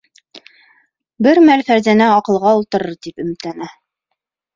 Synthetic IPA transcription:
bɘɾmælfæɾzænæɑqɤ̆lˠʁɑulˠt̪ɤ̆ɾɤɾt̪ipɵ̆mɘ̆t̪lænæ

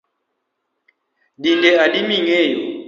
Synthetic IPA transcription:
dindɛadimiŋɛjɔ

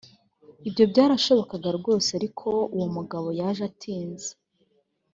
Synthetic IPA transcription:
ibjo̞bjaːɾaʃo̞βo̞kaɡaɾɡo̞ːseaɾikʰo̞uwomuɡaβo̞jaʒatʰiːnze̥

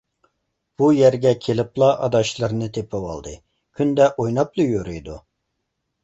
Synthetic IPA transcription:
b̥ujæɾɡʲɛkʲʰelɪplˠɑʔɑd̪ɑʃlˠɨɾnɨt̪ʰepʰɨwɑ̰lˠd̪ɨ | kʲʰynd̪ɛʔojnɑplˠɨjøɾyjd̪u

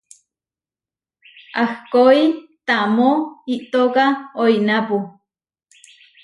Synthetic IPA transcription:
ahkoit̪amoiʔt̪okaoinapu

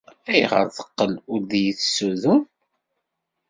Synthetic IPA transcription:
æjʁə̰ɾðə̥qːəlʊɾðjəθsuðun

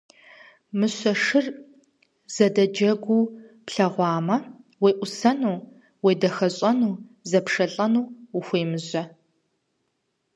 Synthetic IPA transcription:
mɨɕɐʂɨr | z̥ɐdɐd͡ʒɐɡʷuːpɬɐʁʷɑːmɐweːʔʷʊsɐnuː | weːdɐxɐɕʼɐnuːzɐpʂɐɬʼɐnuːuxʷeːmɨʑɐ

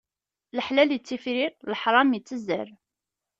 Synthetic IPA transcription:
ləħlæljət͡sːifɾiləħɾˤɑmət͡sːəzːə̰ɾ

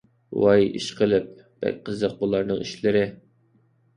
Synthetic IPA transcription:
wɑjḭʃqʰəlˠɪp̚ | b̥ɛ̰k̚ʲqʰəzəq̚bulˠɑɾnɨŋiʃlɪɾɪ

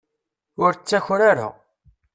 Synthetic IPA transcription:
ʊɾt͡sːæçɾaɾʊ̰ʁ

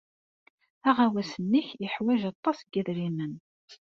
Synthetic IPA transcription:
æʁawæsənːiçɪħwæʒɑt̪ˤːɑsɡæðɾinən

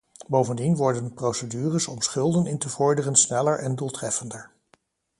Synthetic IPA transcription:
bowvəndinʋɔɹdənəprowsədyːrəsɔmsχɵlˠdənɪntəvɔɹdərənsnɛləɹʔɛnduːlˠtrɛfəndəɹ

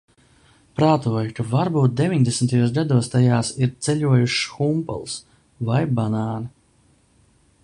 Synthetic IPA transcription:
pɾaːt̪uɔjukavaɾbuːt̪̚d̪evʲiɲd̪esmt̪ajuɔːs̬ɡad̪uɔst̪ajaːsiɾt̪sɛʎuɔjuʃxumpɛ̰lˠs | vajbanaːn

